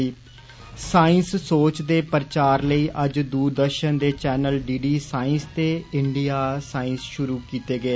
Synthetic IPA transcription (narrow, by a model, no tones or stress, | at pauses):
saːɪnssoːt͡ʃd̪eːpəɾt͡ʃaːɾləiːʔəd͡ʒd̪uːɾd̪əɾʃənd̪eːt͡ʃɛːnəlɖiːɖiːsaːɪ̃nst̪eːɪɳɖijaːsaːɪ̃nsʃʊɾuːkiːt̪eːɡeː